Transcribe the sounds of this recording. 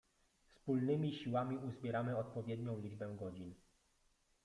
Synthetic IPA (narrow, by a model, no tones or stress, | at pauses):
fspulnɘmʲiɕiwamʲiʔuzbʲjɛɾamɘɔt̪̚pɔvʲjɛd̪ɲɔ̃w̃lʲid͡ʐbɛɡɔd͡ʑin